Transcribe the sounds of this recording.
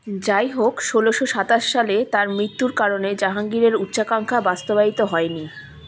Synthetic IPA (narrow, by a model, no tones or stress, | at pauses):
d͡ʑajɦokʃoloʃoʃat̪aʃːalet̪aɾmɾit̪ːuɾkaɾoned͡ʑaɦaŋɡiɾeɾutːɕakaŋkʰabast̪obait̪oɦɔeni